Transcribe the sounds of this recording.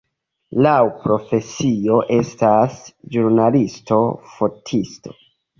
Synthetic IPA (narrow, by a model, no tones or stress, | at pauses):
lawpɾo̞fe̞sio̞ʔe̞stasd͡ʒuɾnalisto̞fo̞tʰisto̞̥̰